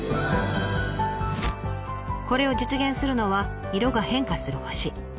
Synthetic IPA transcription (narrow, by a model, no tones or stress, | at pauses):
ko̞ɾe̞o̞d͡ʑit͡sɨɡʲẽ̞ɰ̃sɨɾɯ̟no̞βa | iɾo̞ɡahẽ̞ŋkasɨɾɯ̟ho̞ɕi